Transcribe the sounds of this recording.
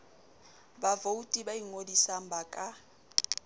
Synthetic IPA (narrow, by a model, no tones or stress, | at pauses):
bavoutʼibaiŋodisam̩bakʼa